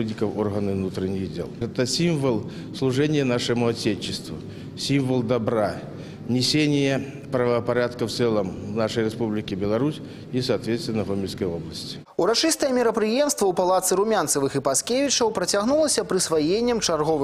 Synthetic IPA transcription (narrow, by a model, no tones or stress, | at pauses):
ɨd̪ʲnʲɪkəforɣənɨvnut̪ɾʲɪnʲːɪɣdʲḛlˠɛt̪əsʲimvəlˠ | slˠʊʐɛnʲɪjənaʂɨmʊɐtʲet͡ɕːɪst̪vʊ̰ | sʲimvəlˠd̪ɐbɾa | nʲɪsʲenʲɪjə | pɾəvəpɐɾʲat̪kəft̪sɛlˠəmnaʂəjɾʲɪspublʲɪkʲɪbʲɪlˠɐɾusʲ | isɐːt̪vʲet̪st̪vɪnəxomʲɪlʲskəjoblˠəsʲtʲɪ̥ | uɾat͡ʂɨst̪ɐjɛmʲɪɾɐpɾɨjɛmst̪vɐwpalˠat̪sɨɾumʲant̪sɐvɨxɨpaskʲevʲɪt͡ʂɐwpɾɐt͡sʲaɣnulˠɐsʲɐpɾɨsvajenʲːɐmt͡ʂarɣɔvɨ